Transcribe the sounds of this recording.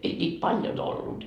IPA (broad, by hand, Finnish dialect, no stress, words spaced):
ei nʲiːt pɑljon olːut